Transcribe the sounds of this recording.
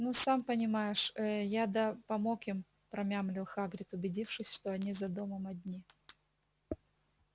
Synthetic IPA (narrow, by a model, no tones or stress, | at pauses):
nusampənʲɪmajɪʂəjad̪ɐpɐmokim | pɾɐmʲamlʲɪlˠxaɡɾʲɪt̪ʊbʲɪdʲifʂɨsʲʂt̪o̞ɐnʲizɐd̪oməmɐdʲnʲi